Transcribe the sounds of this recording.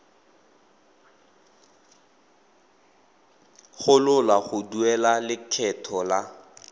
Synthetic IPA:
χʊlʊlaχʊduɛlalɪkʰɛtʰɔla

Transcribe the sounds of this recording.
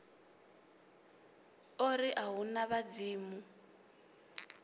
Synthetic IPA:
oɾiʔaɦunaβad͡ziːmu

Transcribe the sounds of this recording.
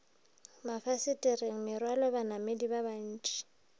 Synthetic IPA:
mafasɪtʼirɪŋ̩mɪrwalɔbanamedibaban̩ːt͡ʃʼi̥

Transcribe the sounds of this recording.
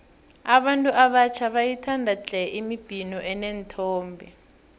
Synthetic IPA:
aɓantʼuʔaɓat͡ʃʰaɓajitʰandʱat͡ɬʼɛʔimib̥ʱinɔʔɛnentʰɔːmbʱɛ

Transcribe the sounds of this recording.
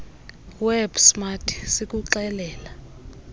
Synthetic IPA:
wɛbsmatʰi̥sikʼuǃɛlɛːla

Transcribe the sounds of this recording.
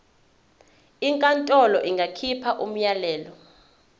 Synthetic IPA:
iŋkʼantʼɔlɔʔiŋɡʱakʰipʰaʔum̩jalɛːlɔ

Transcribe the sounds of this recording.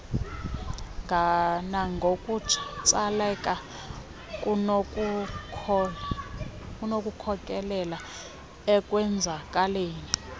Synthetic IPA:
ŋɡʱanaŋɡʱokʼutʰi̥t͡sʼalɛkʼa | kʼu | kʼunokʼukʰɔkʼɛlɛla | ɛkʼwɛnd͡zʱakʼaleːni

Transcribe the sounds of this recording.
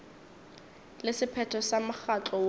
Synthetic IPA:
lɪsɪpʰɛtʰɔsamaxat͡ɬɔ

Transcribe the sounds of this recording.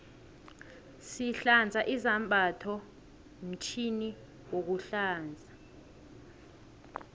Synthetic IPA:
siɬand͡zʱaʔizambʱatʰɔ | m̩t͡ʃʰini | wok̬uɬaːnd͡zʱa

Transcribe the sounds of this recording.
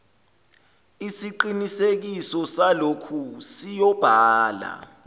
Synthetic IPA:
isiǃinisek̬isɔsalokʰusijɔb̥ʱaːla̰

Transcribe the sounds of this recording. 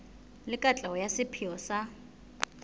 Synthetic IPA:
lɪkʼat͡ɬʼaɔjasɪpʰiɔsa

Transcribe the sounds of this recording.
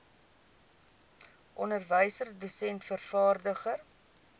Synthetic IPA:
ʔɔnərvəjsərdosɛntfərfɑːrdəχər

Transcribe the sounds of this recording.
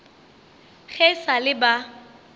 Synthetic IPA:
ɣɛsalɪba

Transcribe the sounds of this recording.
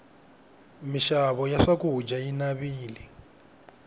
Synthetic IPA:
miʃaβɔjaʂakuɦud͡ʒainaβiːli

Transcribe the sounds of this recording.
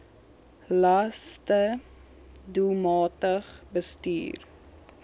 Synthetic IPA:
lɐstə | dulmɑːtəχbəsty̰ːr

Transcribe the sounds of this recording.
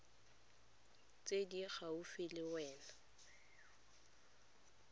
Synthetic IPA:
t͡sʼediɣaufɪlɪwɛːna

